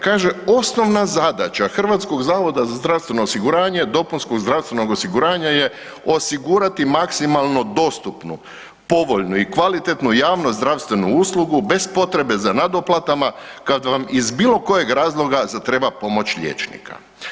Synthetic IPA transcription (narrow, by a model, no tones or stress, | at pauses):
kaːʒe̞o̞sno̞ʋnazad̪at͡ɕaxr̩ʋat̪sko̞ɡzaːʋo̞d̪azazd̪ɾaʋst̪e̞no̞ːsiɡuɾaːɲe̞d̪o̞punsko̞ɡzɾaʋst̪ʋe̞no̞ɡo̞siɡuɾaːɲaje̞ | o̞siɡuɾat̪imaksimalˠno̞d̪o̞st̪upnṵ | po̞ʋo̞ʎnuikʋalit̪e̞t̪nujaːʋnozd̪ɾaʋst̪ʋe̞nuuːslˠuɡube̞zpo̞t̪ɾe̞be̞zanad̪o̞plˠat̪amakad̪ʋamizbiːlˠo̞ko̞je̞ɡɾaːzlˠo̞ɡazat̪ɾe̞bapo̞mo̞t͡ɕʎḛt͡ʃnḭka̰